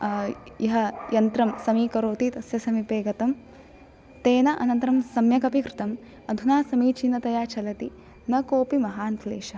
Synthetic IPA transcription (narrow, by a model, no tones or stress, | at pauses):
jɐɦɐjɐnt̪ɾɐmsɐmiːkɐɾoːt̪it̪ɐsjɐsɐmipeːɡɐt̪ɐm | t̪eːnɐʔɐ̰nɐnt̪ɐɾɐmsɐmjɐkɐpikɾɪt̪ɐm | ɐd̪ʱunaːsɐmiːt͡ʃinːɐt̪ɐjaːt͡ʃʰɐlɐt̪i | nɐkoːpimɐɦaːnt̪ʰleːʃɐ